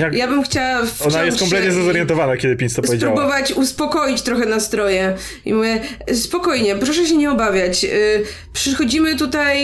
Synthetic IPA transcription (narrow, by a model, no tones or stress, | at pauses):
jajabɘmxt͡ɕawafɔnajɛst̪kɔmp̬lɛt̪ɲɛzazɔɾjɛnt̪ɔvanakʲɛd̪ɘpʲinsɔspɔvjed͡ʑpaɾubɔvat͡ɕuspɔkɔjit͡ɕt̪ɾɔxɛnast̪ɾɔjɛ | ḭmuvʲjɛspɔkɔjɲɛpɾɔʂɛɕ̬ɛɲɛɔbavʲjat͡ɕ | pʂɘxɔd͡ʑimɘt̪ut̪aj